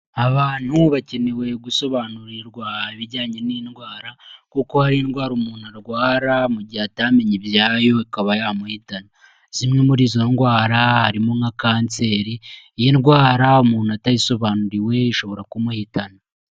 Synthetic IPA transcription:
aβaːn̥huβace̞ne̞we̞ɡuso̞βaːnuɾiɾɡwaiβiɾɟaːɲe̞niinɡwaːɾakuko̞haɾiːnɡwaːɾumuːn̥uaɾɡwaːɾamuɟihatame̞ɲibjaːjo̞ikaβajaːmuhitana | z̥imŋe̞muɾiːzo̞nɡwaːɾahaɾimoŋakaːnt͡se̞ːɾiːjinɡwaːɾaumuːnuataiso̞βaːnuɾiwe̞iʃo̞βo̞ɾakumuhitana

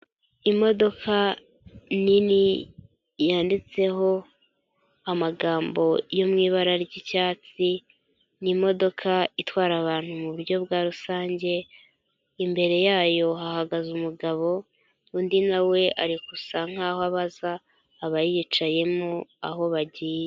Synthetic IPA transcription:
imo̞do̞kʰa | nini | jaːndit͡se̞ɦo̞ | amaɡaːmbo̞jo̞mŋiːβaɾaɾɟicaːt͡si | nimo̞do̞kʰaitwaːɾaβaːn̥humuβuɾɟo̞βɡaːɾusaːɲɟe̞ | imbe̞ɾe̞jaːjo̞hahaɡazumuɡaβo̞ | undinawe̞ʔaɾikusaŋ̥aːhoaβazaː | βajijit͡ʃaje̞mua̰ɦo̞βaɟiːje

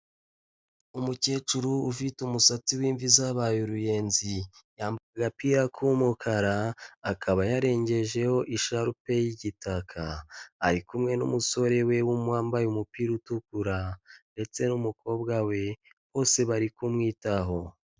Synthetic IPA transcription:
umuce̞ːt͡ʃuɾuːfitumusat͡siwiːɱvizaβajuɾuje̞ːnzijaːmbakaɡapiːɾakʰumukʰaɾaːkʰaβajaɾe̞ːɲɟe̞ʒe̞ho̞ʔiʃaɾupe̞jiɟitʰakʰaa̰ɾikumŋe̞nṵmuso̞ɾe̞we̞wumwaːmbajumupiːɾutukuɾande̞t͡se̞numukʰo̞ːbɡawe̞ | β̥o̞ːse̞βaɾikumŋiːtaɦo̞

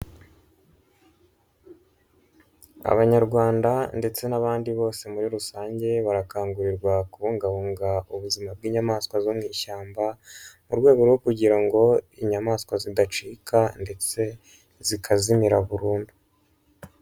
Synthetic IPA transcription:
a̰βaɲaɾɡwaːndande̞t͡se̞naβaːndiβo̞ːse̞muɾiɾusaːɲɟe̞βaɾakaːŋɡuɾiɾɡwakuβuːŋɡaβuːŋɡauβuzimab̚ɡiːɲamaːskwazomŋiːʃaːmbamuɾɡwe̞ːɡo̞ɾwo̞kuɟiɾaŋɡo̞iɲamaːskwazidat͡ʃiːkʰande̞t͡se̞ | zikʰazimiɾaβuɾuːndu

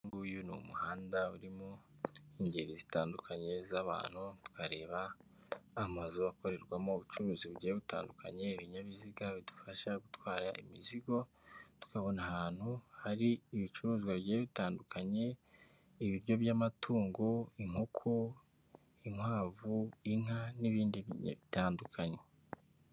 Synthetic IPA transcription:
ŋɡuːjunṵmuhaːndauɾimoiɲɟeɾizitaːndukʰaɲe̞zaβa̰ːn̥hutu̥kaɾe̞ːβaː | mazuako̞ɾe̞ɾɡwamo̞uβut͡ʃuɾuːziβuɟaeβita̰ːndukʰa̰ɲe̞iβiɲaβiziɡaβidu̥faʃaɡutwaːɾaḭmiziɡo̞ | tu̥kaβo̞nahaːn̥huhaɾiːβit͡ʃuɾuːziɡwaβɟaːeβitaːndukaɲe̞ | iβiɾjo̞βjamatʰuːŋɡoiŋ̥hukʰu | iŋhaːvuiŋaniβiːndiβiɲ̰βitaːndukʰaɲe̞

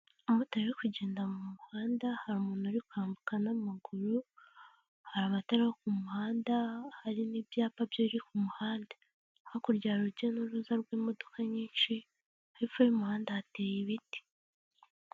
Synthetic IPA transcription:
umutaɾiɾikuɟe̞ːndamumuhaːndahaɾumuːnaɾikuaːmbukanamaɡuɾu | haɾaβataɾihokumuhaːndahaɾinibjaːpabjoɾikumuhaːndḁ | hokuɾɟaːɾuɾɟenuɾuzaɾɡwiːmo̞dokaɲiːnʃi | haɾifaɾimuhaːndahate̞ːjiβiti̥

